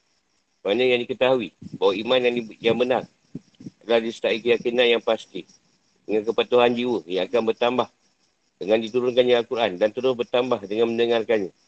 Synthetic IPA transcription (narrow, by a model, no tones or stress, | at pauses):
banakjaŋdikət̪aɦuibawaimãnjajaŋbənaŋ | lahdist̪aʔikəjakinajaŋpast̪i | dəŋankəpat̪uɦand͡ʒiwəjaːkanbərt̪ambah | d̥əŋandit̪uɾʊnkanjaalkuɾʔandant̪əɾʊsbərt̪ambahdəŋanmə̃ndəŋarkanɲa